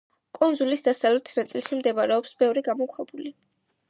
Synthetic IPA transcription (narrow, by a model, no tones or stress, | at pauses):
kʼund̪zulisd̪asavlɛt̪ʰnat̪sʼilʃimd̪ɛmaɾɛɔpsbɛvɾiɡamɔkʰwɛbuli